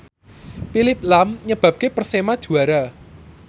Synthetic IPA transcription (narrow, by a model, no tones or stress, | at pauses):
pilɪp̚lamɲəb̥a̤p̚kepərsemad̥ʒ̥ṳaɾa